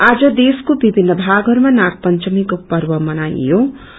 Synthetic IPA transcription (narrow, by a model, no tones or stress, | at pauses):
ad͡zʌd̪eskobibʱinːʌbʱaɡɦʌɾumanak̚pʌnt͡ʃʌmikopʌrwʌmʌna̰jjo